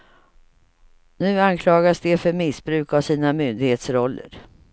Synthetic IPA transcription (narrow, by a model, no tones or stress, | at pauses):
nʉ̟ːankʰlɑːɡasd̪ɛfœɾmɪsbɾʉ̟ːkavsiːnamʏnd̪ɪɡheːt̪sɾɔlːə̰ɾ